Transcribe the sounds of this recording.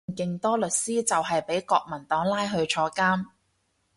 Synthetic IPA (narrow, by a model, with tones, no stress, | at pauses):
kɪ˨ŋt̪ɔː˥lɵ˨t̚siː˥t͡sɐ˨wɦɐ˨jpe˨˥jkɔː˧k̚mɐ˨˩nt̪ɔː˨˥ŋlaː˥jɦɵ˧ɥt͡ʃʰɔː˧kaː˥m